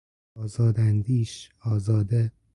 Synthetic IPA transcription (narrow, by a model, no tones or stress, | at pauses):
ɒːzɒːd̪ænd̪iːʃɒːzɒːd̪e